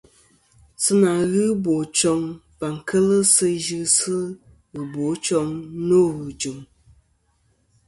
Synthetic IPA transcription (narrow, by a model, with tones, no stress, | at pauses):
sɨ˦na˨ɣɨ˦bo˨t͡ʃɔ˧ŋ | va˨ŋ˨kʰə˦lɨ˦sɨ˧ʒɨ˦sɨ˦ | ɣɨ˨bo˨˦t͡ʃɔ˧ŋno˦ɣɨ˨d͡ʒu˨m